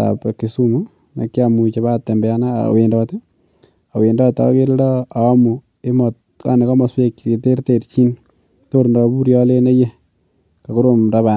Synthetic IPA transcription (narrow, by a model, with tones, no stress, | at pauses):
a̰peki˨su˦mu | na̰˨kːi˦amu˨t͡ʃe˨ba˦tːe˨mbɛa˦na̰˦˨we˨ndɔte | a˨we˨ndɔ˦ta̰˨˦ke˦ɾdɔ˦a˨a˦mu˨ | e˦mɔ | ka̰˦ne˨kɔ˦mɔ˨swe˦kːte˦rte˨ɾt͡ʃi˦n | to˦ɾndɔ˨bu˦ɾjɔ˦le˦ne˦je˦ | ka˨ku˦ɾo˦mɾa˦βa˨